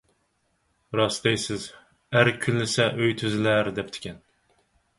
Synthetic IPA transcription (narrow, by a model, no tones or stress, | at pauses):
ɾɑsd̪ejsɪz | æɾkʲʰynlɪsɛʔøjt̪ʰyzɪlæɾd̪ɛp̚t̪ʰɪ̥kʲɛn